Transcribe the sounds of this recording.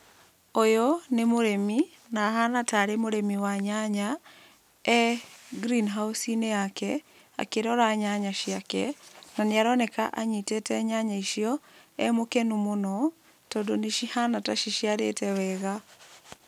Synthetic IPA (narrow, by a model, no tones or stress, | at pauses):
ojɔnemoɾemi | nahanataɾemoɾemiwaɲaɲa | ɛɡɾinɦausineakɛ | a̰keɾɔɾaɲaɲaʃiakɛnaneaɾɔnɛka̰ʔa̰ɲitetɛɲaɲaiʃiɔɛmokɛnumonɔ | tɔdoneʃihanataʃiʃiaɾḛtɛwɛɣa